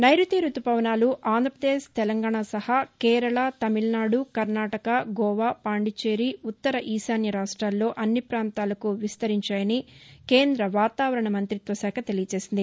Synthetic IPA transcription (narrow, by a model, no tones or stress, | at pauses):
nɐjɾut̪iːɾut̪upɐʋnaːluʔaːnd̪ʱɾɐpɾɐd̪eːʂt̪ɛlɐŋɡaːɳasɐhɐkeːɾɐɭɐt̪ɐmilnaːɽukɐɾnaːʈɐkɐɡɔːʋaːpaːɳɖit͡ʃeːɾiut̪ːɐɾɐʔiːsaːnjɐɾaːʂʈɾaːlːo̞ːʔɐnːipɾaːnt̪aːlɐkuʋist̪ɐɾiɲt͡ʃaːjɐnike̞ːnd̪ɾɐʋaːt̪aːʋɐɾɐɳɐmɐnt̪ɾit̪ʋɐsɛːkʰɐt̪e̞lijɐt͡ʃe̞ːsind̪i